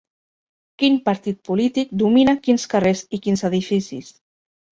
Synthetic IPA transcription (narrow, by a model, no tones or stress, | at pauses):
kinpaɾt̪it̪̚pulit̪ik̚d̪uminakinskarezikinzəðifisḭs